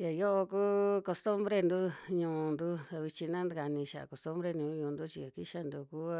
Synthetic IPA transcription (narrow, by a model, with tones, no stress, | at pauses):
ja˨jo˦ʔo˧kuː˦ko˧st̪u˦mbɾe˧nd̪u˦ɲũː˧nd̪u˦a˧βi˧t͡ʃĩ˧nã˦nd̪ka˧nĩ˧ʃa˨a̰˨ko˨st̪u˦mbɾe˧ɲũː˧˦ɲũː˧˨˧nd̪u˦t͡ʃi˧a˨ki˦ʃa˧nd̪u˧kuː˦a˧